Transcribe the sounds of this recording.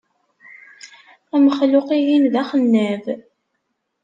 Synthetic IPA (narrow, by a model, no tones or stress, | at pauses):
æməχlʊqijimðæχənːæv